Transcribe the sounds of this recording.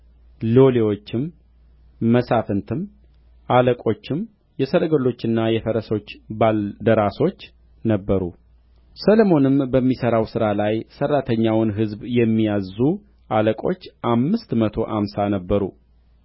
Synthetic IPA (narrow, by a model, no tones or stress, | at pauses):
lo̞lewot͡ʃːɪmː | əsafɨnt̪ʰɨm | ʔaləkʼo̞t͡ʃːɪm | jɛsəɾəɡəlo̞t͡ʃːɨnːajɛfəɾəso̞t͡ʃːbald̪əɾaso̞t͡ʃː | nəbːəɾṵ | səlomo̞nɨmbəmːisəɾawsɨɾalajsərːat̪ʰəɲːawnɦɨzbjɛmːijazːu | ʔaləkʼo̞̰t͡ʃːʔamːɨst̪mət̪ʰo̞ʔamsanəbːəɾṵ